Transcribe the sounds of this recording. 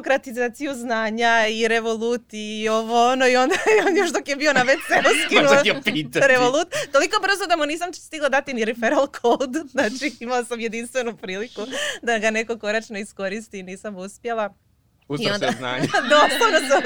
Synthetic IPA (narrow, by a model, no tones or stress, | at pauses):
kɾat̪izaːt̪sijuznaːɲaiɾe̞ʋolˠut̪iioʋoonoio̞nd̪aond̪oʃd̪okjebio̞naʋet̪seuskkinupit̪aɾeʋolˠut̪t̪o̞liko̞br̩zod̪amuniːs̬amst̪iɡlˠad̪at̪iniɾifeɾalˠkʰold̪znaːt͡ʃiimalasamje̞d̪inst̪ʋe̞nupɾiːlikud̪aɡane̞ko̞ko̞ɾat͡ʃnoisko̞ɾist̪iniːsamuspje̞lˠa | uzionana̰ːd̪osonosam